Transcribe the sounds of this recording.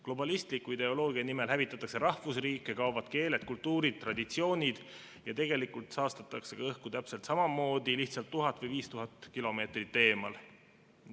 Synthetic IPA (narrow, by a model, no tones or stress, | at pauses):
klo̞bɑlist̪likːˑuid̪̥e̞o̞lo̞ːɡiɑnime̞lɦævit̪ːˑɑt̪ːˑɑkseɾɑhvusriːkːˑekɑovɑd̪̥ke̞ːle̞t̪̚kult̪ːuːɾid̪̥̚t̪ːˑrɑd̪̥it̪sio̞ːnʲid̪̥ | jɑt̪e̞ɡ̥e̞likult̪sɑːst̪ɑt̪ːˑɑkse̞kɑɤhkut̪æpse̞lt̪sɑmɑmo̞ːd̪̥iliht̪sɑlt̪ːuɦɑt̪ːˑvɤjviːst̪uɦɑt̪ːˑkilo̞me̞ːt̪rit̪ːe̞ːmɑ̰l